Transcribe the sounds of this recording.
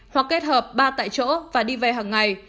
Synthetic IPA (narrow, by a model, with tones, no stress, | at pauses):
hwa˨˩k̚ːe˦˥t̚həː˨˩p̚ɓaː˧t̪a̰ː˧˨jt͡ɕo̰˧˥vaː˨˩ɗi˧ve˨˩ɦaː˨˩ŋːŋa˨˩j